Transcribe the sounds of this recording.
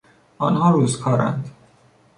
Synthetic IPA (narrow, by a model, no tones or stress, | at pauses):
ɒːnhɒːɾuːzkʰɒːɾæ̰nd̪